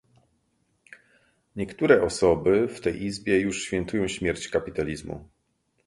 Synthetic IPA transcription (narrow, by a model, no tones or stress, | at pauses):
ɲɛkt̪uɾɛʔɔsɔbɘft̪ɛjʔizbʲjɛjuʂɕfʲjɛnt̪ujɔ̃w̃ɕmʲjɛɾt͡ɕkapʲit̪alʲizmṵ